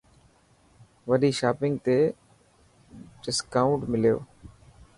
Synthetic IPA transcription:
ʋəɗiːʃaːpɪŋɡ̚t̪eː | ɖɪskaːʊ̃ɳʈmɪljo̰ː

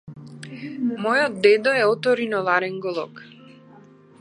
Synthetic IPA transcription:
mɔjɔd̪̚d̪ɛd̪ɔɛɔt̪ɔɾinɔlˠaɾɛŋɡɔlˠɔ̰k

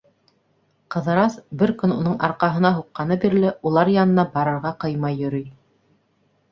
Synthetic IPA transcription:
qɤ̆ðɤ̆ɾɑsbɘɾkɵnunɤɴʔɑɾqɑɦɤ̆nɑɦuqːɑnɤbiɾlɘʔulˠɑɾjɑnɤ̆nɑbɑɾɤ̆ɾʁɑqɤjmɑjːɵ̆ɾɵj

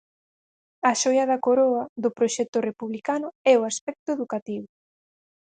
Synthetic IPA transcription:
ɐʃojɐðɐkoɾoɐðʊpɾoʃɛt̪ʊrepuβlikanʊɛoaspɛk̚t̪ʊeðukat̪iβʊ

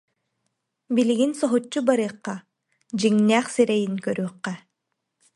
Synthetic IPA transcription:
biliɡinsɔɦut͡ɕːubaɾɯːqːa | d͡ʑiŋnæːχsiɾɛjinkœɾyːqːɛ

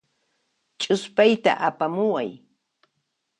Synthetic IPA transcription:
t͡ʃʼʊspajt̪a̰ʔapamʊwaj

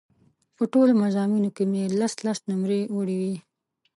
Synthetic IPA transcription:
pəʈolomazɑminokemelaslasnʊmɾeoɽiwi

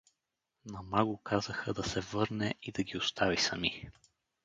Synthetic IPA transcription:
nɐmaɡʊkʰazəxəd̪ɐsɛvɤɾnɛid̪ɐɡʲiʊst̪avisɐmi

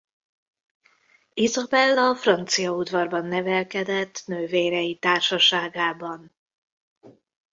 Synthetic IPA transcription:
izɒbɛlːɒfrɒnt̪sijɒud̪vɒrbɒnːɛvɛlkɛd̪ɛt̪ːnøːveːɾɛjit̪aːrʃɒʃaːɡaːbɒn

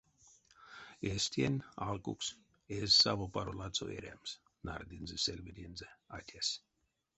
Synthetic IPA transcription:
esʲt̪ʲienʲalˠkṵks | esʲsaβopaɾolˠat̪t͡s̪o̰ḛɾʲæ̰ms | na̰rd̪ʲinzesʲelʲvʲid̪ʲinzeat̪ʲæsʲ

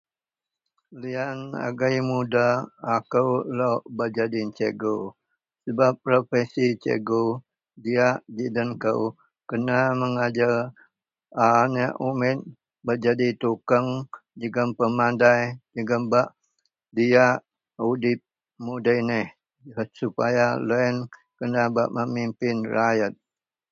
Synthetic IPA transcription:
liana̰ɡajmudaːkəwloʔbəd͡ʒadit͡ʃeɡo | səbap̚ːɾofɛsit͡ʃḛɡo | diaʔd͡ʒidənkəw | kənaməŋad͡ʒa | anəʔumɪt̪̚ | bəd͡ʒadit̪ukəŋd͡ʒəɡəmpəmandajd͡ʒəɡəmbaʔ | diaʔ | udɪp̚ | mudəjnəh | supajaloɛn | kənaba̰ʔməmimpɪnrajət̪̚

